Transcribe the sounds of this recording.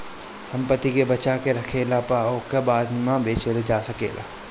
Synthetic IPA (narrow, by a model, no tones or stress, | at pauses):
sɐ̃mpət̪ːikebɐt͡ʃakeɾɐkʰeːlapaːokabaːd̪mãbeːt͡ʃeled͡ʒaːsɐkḛːla̰ː